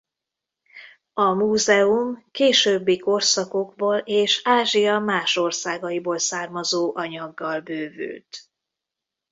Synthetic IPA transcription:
ɒmuːzɛumkeːʃøːbːiko̞rsɒko̞ɡboːleːʃaːʒijɒmaːʃo̞rsaːɡɒjiboːlsaːrmɒzoːʔɒɲɒɡːɒlbøːvy̰ːlt̪

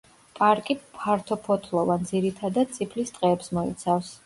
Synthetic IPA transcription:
pʼaɾkʼipʰaɾt̪ʰɔpʰɔt̪ʰlˠɔvand̪ziɾit̪ʰad̪ad̪̥̚t̪sʰʼipʰlist̪ʼqʼɛːpsmɔḭt̪sʰafs

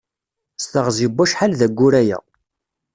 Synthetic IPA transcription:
st̪əʁzibæʃħalðæɡʷːʊɾæjæ̰

